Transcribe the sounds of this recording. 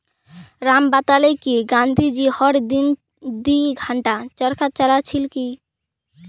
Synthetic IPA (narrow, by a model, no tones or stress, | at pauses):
ɾambat̪alekiɡand̪ʱid͡ʑihɔɽd̪in | d̪iɡʱaɳʈat͡ɕəɾkʰat͡ʃalat͡ɕʰilki